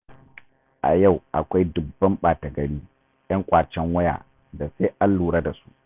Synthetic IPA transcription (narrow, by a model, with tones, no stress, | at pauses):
ʔa̰˨ja˦˨wʔa˨kʷa˦jdʊ˨bːɐ˦mɓaː˨tɐ˨ɡɐ˨ɽiː˦ | jɐ˦ŋkʷʼaː˨t͡ʃɛ˦ŋwɐ˦ja̰ː˨ | da˨se˦ʔa˦lːuː˨ɽa˦da˨su̥˦ʔ